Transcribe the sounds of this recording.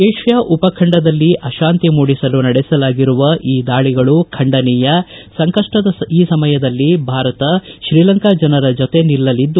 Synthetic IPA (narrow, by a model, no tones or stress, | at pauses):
eːʂjɐʔupɐkʰɐɳɖɐd̪ɐlːiʔɐʃaːnt̪imuːɽisɐlunɐɽɛsɐlaːɡiɾuʋɐʔiːd̪aːɭiɡɐɭukʰɐɳɖɐniːjɐsɐŋkɐʂʈɐd̪ɐiːsɐmɐjɐd̪ɐlːibʱaːɾɐt̪ɐʃɾiːlɐŋkad͡ʒɐnɐɾɐd͡ʒot̪e̞nilːɐlid̪ːu